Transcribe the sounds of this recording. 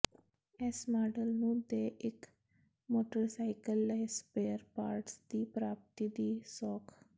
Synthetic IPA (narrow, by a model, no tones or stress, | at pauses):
ɛsmaːɖəlnũːd̪eːʔɪk | moːʈəɾsaːɪkəlːəspeːəɾpaːɾʈsd̪iːpɾaːp̚t̪iːd̪iːsɔːkʰ